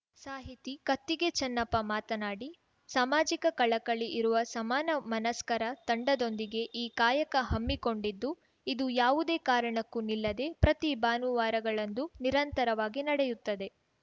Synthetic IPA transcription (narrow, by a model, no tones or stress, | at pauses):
saːɦit̪ikɐt̪ːiɡe̞t͡ʃɐnːɐpːɐmaːt̪ɐnaːɽi | saːmaːd͡ʒikɐkɐɭɐkɐɭiʔiɾuʋɐsɐmaːnɐmɐnɐskɐɾɐt̪ɐɳɖɐd̪o̞nd̪iɡe̞ʔiːkaːjɐkɐɦɐmːiko̞ɳɖid̪ːu | id̪ujaːʋud̪e̞ːkaːɾɐɳɐkːunilːɐd̪e̞pɾɐt̪ibaːnuʋaːɾɐɡɐɭɐnd̪uniɾɐnt̪ɐɾɐʋaːɡinɐɽɛjut̪ːɐd̪e̞